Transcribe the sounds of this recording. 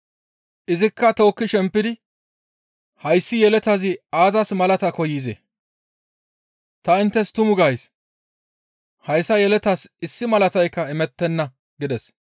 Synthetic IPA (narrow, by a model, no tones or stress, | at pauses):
ʔɪzɪkːɐt̪o̞ːkːɪʃɛmpːɪd̪ɪ | hɐjsːɪjɛlɛt̪ɐzɪaːzɐsmɐlɐt̪ɐkɔjiːzḛ | t̪ɐɪnt̪ːɛst̪ʊmʊɡaːjs | hɐjsːɐjɛlɛt̪ɐsɪsːɪmɐlɐt̪ɐjkːɐɪmɛt̪ːɛnːɐ | ɡɪd̪ɛs